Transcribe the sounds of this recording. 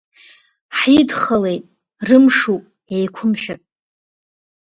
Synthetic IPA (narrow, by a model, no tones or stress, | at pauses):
ħidχəle̞jtʼ | rɨmʂupʼ | ejkʷʰʊmʃᶣatʼ